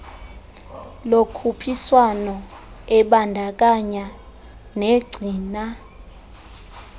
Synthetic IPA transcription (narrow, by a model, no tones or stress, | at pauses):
lokʰupʰiswanɔɛɓandʱak̬ʼaɲa | neɡ͡ǀʱiːna